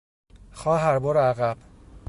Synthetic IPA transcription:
xɒːɦæɾboɾæɣæb̥

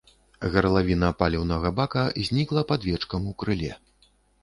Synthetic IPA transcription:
ɣɐɾlˠavʲinɐpalʲɛwnɐɣɐbakɐzʲnʲiklˠɐpad̪vʲɛt͡ʂkɐmukɾɨlʲɛ

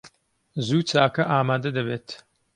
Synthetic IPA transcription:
zuːt͡ʃaːkɐʔaːmaːd̪ɐd̪ɐβeːt̪

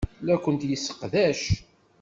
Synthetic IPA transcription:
lækʷːənt̪jəsːə̥qðæʃ

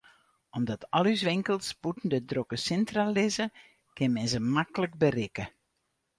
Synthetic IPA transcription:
ɔmdɔtʰɔlˠys̬ʋɪŋkəlˠsputn̩dədrokəsɪntralɪzə | kɪnmɛnzəmakələk̚bərɪkə

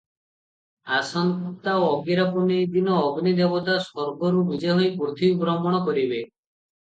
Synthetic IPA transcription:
asankɔk̚t̪aoɔɡiɾapɔned̪inɔːɡnid̪ebɔt̪asɔɾɡɔɾubid͡ʒeɦɔjpɾot̪ʰibɾɔmɔɽ̃ɔkɔɾibe

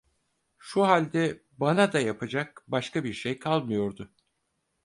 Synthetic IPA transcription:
ʃuɦalʲd̪ɛ | banad̪ajapʰad͡ʒak̚baʃkabiɾʃejkʰalˠmɯjo̞ɾd̪ʊ

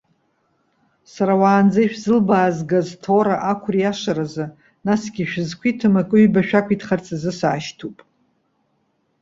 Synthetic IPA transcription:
saɾawaːnd͡zajʃᶣzɨlbaːzɡaztʰoɾaʔakʷʰrijaʂaɾazɨ | nasɡʲiʃᶣzkʷʰitʰɨmakʼɨɥbaʃᶣakʷʰitχart͡sʰʼazɨsaːʃtʰupʼ

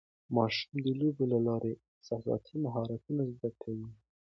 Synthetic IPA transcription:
mɑʃu̥md̪əlobelalɑɾʔe | sasɑ̰t̪ʰimaɦɑɾat̪unazd̪akʰawi

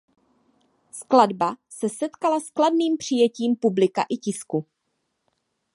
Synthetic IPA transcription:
skladbasɛsɛt̪kalaskladniːmpr̝̥ɪjɛciːmpublɪka̰ʔɪcɪsku

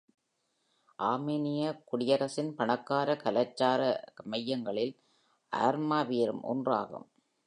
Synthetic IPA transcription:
ʔaːmeːnɪjɐkʊɽɪjɐɾɐsɪnpɐɳɐkːaːɾɐkɐlɐt͡ʃːaːɾɐmɐjːɐŋɡɐɭɪl | ʔa̰ːɾmaːʋiːɾɯ̰mʔɔ̰ndra̰ːɣɯ̰m

